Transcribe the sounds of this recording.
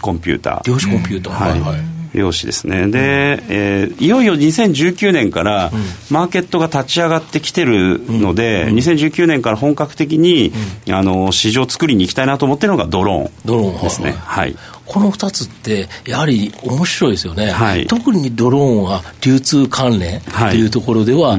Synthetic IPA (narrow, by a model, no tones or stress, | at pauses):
kõ̞mpʲɨ̰ːt̪a̰ːɾʲoːɕi̥kõmpʲɨːt̪ahaiɾʲjo̞ːɕid̪e̞̰sɨne̞̰d̪e̞eːijo̞io̞ɲisẽ̞ɲ̟d͡ʑɨːkʲɨːnẽŋkaɾamaːke̞t̪ːo̞ɡat̪at͡ɕiaɡat̪ːe̞kʲi̥t̪e̞ɾɯ̟no̞d̪e̞ɲ̟is̬ẽ̞ɲ̟d͡ʑɨːkʲɨɯːnẽ̞ŋkaɾaɦõ̞ŋkakɯ̟̥t̪e̞k̬ʲiɲ̟iano̞ɕiʑo̞ːt͡sɨ̥kɯ̟ɾʲiɲ̟iːkʲi̥t̪ainat̪oːmo̞t̪ːeɾɯnoɡad̪o̞ɾõ̞̰ɴd̪oɾõdḛsɨnḛha̰ḭ | kʰo̞no̞ɸɯ̥t̪at͡sɨt̪ːe̞jahaɾʲiomoɕiɾo̞id̪sɨjo̞ne̞haḭt̪o̞kɯ̟ɲ̟id̪o̞ɾõɰ̃βaɾʲɨːt͡sɨːkʰãnɾẽ̞nhaiejɯ̟t̪o̞ko̞ɾo̞d̪e̞βa